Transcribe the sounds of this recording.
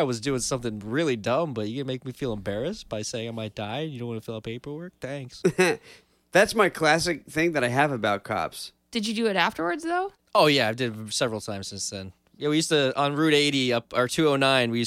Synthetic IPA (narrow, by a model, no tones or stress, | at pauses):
ɪwʌzdʉɪ̃nsʌ̃mθɪ̃ŋɹɪlˠidʌ̃mbʌt͡ʃɨkɨ̃nmeɪk̚mifilˠə̃mbɛɹɨsb̥aɪseɪɪ̃ŋaɪmaɪt̚d̥aɪjɨdõʊ̃twɑ̃nəfilˠəpʰeɪpə˞wɜ˞k̚θæ̃ŋks | ðætsmaɪkʰl̥æsɨk̚θɪ̃ŋðɨɾaɪɨvəbaʊt̚kʰɑ̰ps | d̥ɨd͡ʒɨdɨːɾæftə˞wə˞dzðoʊ | oʊjæaɪdɨdsɛvɹl̩ˠtʰãɪ̃mzsɪ̃nsðɨ̃n | jæwijʉstɨə̃nɹʉɾeɪɾiʌpə˞tʰʉoʊnãɪ̃nwijʉ